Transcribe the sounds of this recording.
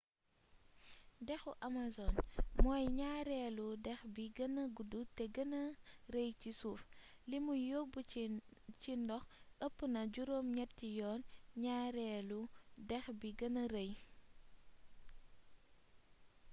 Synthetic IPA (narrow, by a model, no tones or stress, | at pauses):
dɛxuʔɐmazɔnmɔːjɲaːɾɛːludɛxbiɡɐnɐɡudutɛɡɐnɐɾejcisuːflimujobu | t͡ʃindɔxəpːənɐɟuɾoːmɲɛtːijɔːnɲaːɾɛːludɛxbiɡɐnɐɾəj